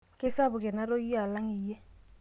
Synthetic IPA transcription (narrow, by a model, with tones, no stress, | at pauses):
kɪ˦sa˦bʊ˨kɪ˨na˦ɾo˦i˦a˨la˦ŋi˨jɛ˦